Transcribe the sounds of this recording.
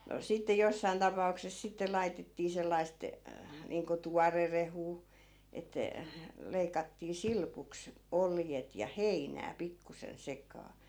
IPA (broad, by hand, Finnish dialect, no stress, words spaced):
no sitːe josːɑin tɑpɑukses sitːe lɑitetːiː selːɑist niːŋko tuɑrerehuː etːæ leikɑtːiː silpuks oljet jɑ heinæː pikːusen sekˑɑː